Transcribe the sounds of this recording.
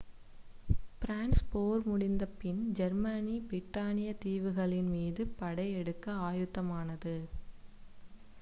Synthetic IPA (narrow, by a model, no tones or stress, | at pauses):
pɪɾaːnspoːɾmʊɽɪnd̪ɐpɪnd͡ʒɐɾmɐnibɾɪʈːaːnɪjɐt̪iːʋɯɣɐɭɪnmiːðɯpɐɽɐɪɛɽɯkːɐaːjɯt̪ːɐmaːnɐðɯ